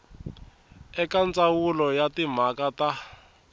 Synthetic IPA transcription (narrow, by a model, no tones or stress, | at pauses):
ɛkant͡sʼawulɔjatim̤akata